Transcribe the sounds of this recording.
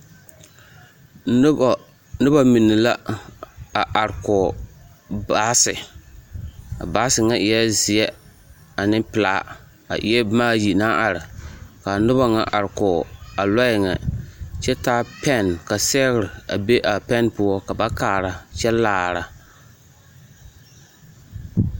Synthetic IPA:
nɨ˦ba˨mi˨nːɨ˨la˦ | a˨ʔa˨ɾkɔ˨ | ba˦sɪ˨ | a̰˨baː˨˦sɪ˨ŋa˦ʔɪ˨jɛ˦zɪ˨ɛ˦ | a˨nɪ˦mpɨ˨laː˦ | a̰˨ʔɪ˨ɛ˦maː˦ji˨na˦ʔa˨ɾɪ˨ka˨nɨ˦ba˦ŋa̰˦ʔa̰˨ɾɨ˨kɔ˨a˨la˦jɪ˨ŋɛ̰˨t͡ʃɛ˦taː˦pɛ˦˨nka˨sɛ˦ɣɾɪ˨a˨be˦ʔa˨pɛ˦npʊ˦ɔ˦ka˨ba˦kaː˨ɾa˨t͡ʃɛ˦laː˦˨ɾa˨

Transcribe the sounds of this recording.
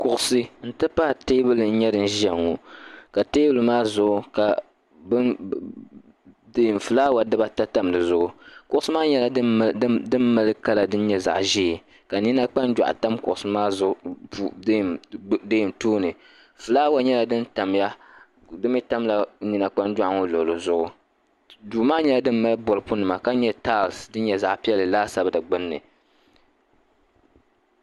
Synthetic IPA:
kʊ˨ʔʊ˨sɨ˦n̩˦tɨ˦pa˦˨teː˦bɨ˦lɨ˨n̩˦ɲɛ˦dɨ˨n̩˦ʒɛ˨ŋːo˨ka˨te˦bɨ˦lɨ˨maː˦zʊ˨ʔʊ˦ka˨ | bɨ˦ | de˦˨m˨fɨ˨laː˦wa˨dɨ˦ba˦ta˦ta˦mdɨ˨zʊ˨ʔʊ˦kʊ˨ʔʊ˦sɨ˦maː˦ɲɛ˦la˨˦dɨ˦mːa˦lɨ˦ka˦la˨dɨ˦n˦ɲɛ˦za̰˨ʔʒi˦˨ | ka˨ni˦na˦k͡pa˦nd͡ʒa̰˨ʔta˦mkʊ̰˨ʔʊ˨sɨ˦maː˦z | deː˦˨tuː˦nɨ˨ | fɨ˨laː˦wa˦ɲɛ˦la˨dɨ˦n˦ta˨m˦ja˦ | dɨ˦mi˦ta˦mla˨ni˨na˨k͡pa˦nd͡ʒwa˦ʔŋo˦lo˨lo˨zʊ˦ʔʊ˦ | duː˨maː˦ɲɛ˦la˦dɨ˦mː˦a˦lɨ˦bɔ˨ɾɨ˨pʊ˦nɨ˨ma˨ka˦ɲ˦ɛ˦taː˦˨lsdɨ˦n̩˦ɲɛ˨za̰˨ʔpi˦ɛ˦lɨ˨laː˦sa˨˦bɨ˦dɨ˨ɡ͡bɨ˦nːɨ̰˨

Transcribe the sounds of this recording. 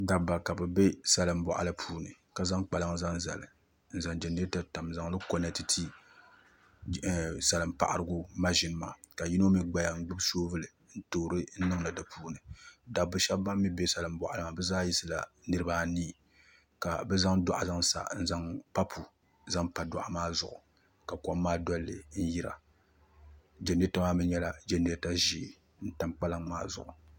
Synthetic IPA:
da˨bːa˨ka˨bɛ˨be˦sa˦lɨ˨m˦bɔ˨ʔa˨lɨ˦pʰuː˦nɨ˨ | ka˨za˦ŋk͡pa˨la˦ŋ˦za˦ŋza̰˨lɨ˨ | n̩˦˨za˨ŋd͡ʒɛ˨nɨ˦ta˨ta˨mza˨ŋlɨ˦ko˦nɛ˦ti˦tʰi˦˨ | sa˨lɨ˨m˦pa̰˨ʔa̰˨ɾɨ˨ɡʊ˦ma˦ʒɪ˨n˦ma̰ː˨ka˨ji˦no˦mi˦ɡ͡ba˨ja˨ŋ̩˦ɡ͡bɨ˦bsoː˦vɨ˦lɨ˨ | n̩˦toː˨ɾɨ˦n̩˦nɨ˦ŋla˨dɨ˨pʰuː˦nɨ˨da˨bʊ˨ʃɛ˦bba˦mː˦i˦be˦sa˨lɨ˨˦mbɔ˨ʔa˨lɨ˨ŋa˨bɛ˦zaː˦ji˦sɨ˦la̰˨nɨ˦ɾɨ˦baː˦niː˦ | ka˨bɛ˦za˦ŋdɔ˦ʔa̰˨za˦ŋsa̰˨n̩˦za˦ŋpa˦pʰu˨ | za˦ŋpa˨dɔ̰˨ʔa˨maː˦zʊ˨ʔʊ̰˨ | ka˨kɔ˦mː˦aː˦dɔ˦lːɨ̰˨n̩˦ji˦ɾa̰˨ | d͡ʒɛ˨n˦e˦ta˦maː˦mɨ˦ɲɛ˦la˨d͡ʒɛ˦n˦e˦ta˦ʒi˦˨ | n̩˦ta˦mk͡pa˦la˦ŋma̰ː˦zʊ̰˨ʔʊ˨

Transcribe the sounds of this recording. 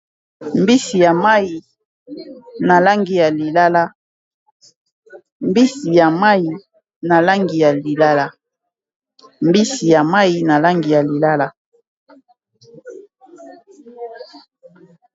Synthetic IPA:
mbi˦si˨ja˨ma˦i˨ | na˨la˦ŋɡi˨ja˨li˨la˦la˦ | mbi˦si˨ja˨ma˦i˨ | na˨la˦ŋɡi˨ja˨li˨la˦la˦ | mbi˦si˨ja˨ma˦i˨na˨la˦ŋɡi˨ja˨li˨la˦la˦

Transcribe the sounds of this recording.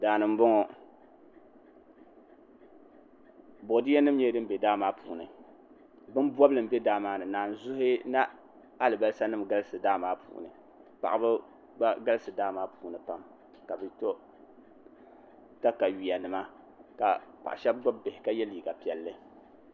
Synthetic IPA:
daː˨nɨ˨m˦bɔ˦ŋɔ˨ | bo˨di˦ɛ˦nɨ˦mɲɛ˦dɨ˦m̩˦bɛ˨daː˦maː˦pʰuː˨nɨ̰˨ | bɨ˦n˦bɔ˦blɨ˨m̩˨˦bɛ˦daː˦maː˦nɨ˨naː˨n˨zʊ˦hɪ˦na˦ | a˦lɨ˨ba˦lsa˦nɨ˦mɡa˦lɨ˦sɨ˨daː˦maː˦pʰṵː˨nɨ̰˨ | pa̰˨ʔa˨bɨ˦ | a˦ɡa˦lɨ˦sɨ˨daː˦maː˦puː˨nɨ˨pa˦m | ka˨bɛ˦to˦ | ta˦ka˨ɥi˨a˨nɨ˨ma˦ | ka˨pa̰˨ʔa̰˨ʃɛ˦b̚ɡ͡ba˦b̚be˨hɪ˨ka˦jɛ˦liː˨ɡa˨pi˨ɛ˨lːɨ˦

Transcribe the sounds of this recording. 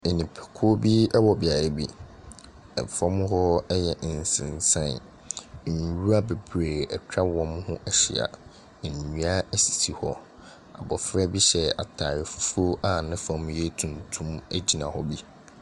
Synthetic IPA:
e˨nĩ˨pʰɛ̥˨kʰʊ˦o˦bi˦ɛ˦wɔ˨bɪ˨a˨ɾe˦bi˦ | ɛ̰˨fɔ̃˦m˦ɦɔ˦ɛ˦jɛ˨ʔn̩˨sɪ̰̃˨nsã̰˦˨n̩˨ | wu˦a˦be˨bɾeː˨ɛ˨t͡ɕᶣa˦wɔ̃˦mhʊ̃˦ʔɛ˦ɕɪ̰˨a̰˨ | n̩˨ɲũ˨˦a˦æ˦˨si̥˨si˦hɔ˦ | a̰˨bɔ˨fɾɛ˦bi˦ɕɛ˨a̰˨tʰaː˨jɪ˨fu̥˦fo˦ʔa˦˨nɪ̃˦fɔ̃˨˦m˦je˦tʰũ˨ntʰũ˦mæ˦d͡ʑi˨nã̰˨hɔ˦bi˦

